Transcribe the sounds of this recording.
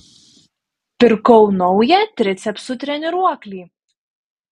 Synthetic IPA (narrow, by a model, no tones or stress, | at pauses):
pʲɪɾkɔʊnɔʊjɛt̪ʲɾʲɪt̪sʲɛpsʊt̪ʲɾʲɛnʲɪɾuɔklʲiː